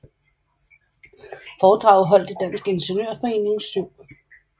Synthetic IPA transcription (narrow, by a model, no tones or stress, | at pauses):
fɒːd̥ʁɑ̈ʊðˠɦɒ̽l̰d̥ed̥æn̰sɡ̥əe̝nɕenø̰ɐ̰fɒ̽e̝̰ːne̝ŋsyʊ̰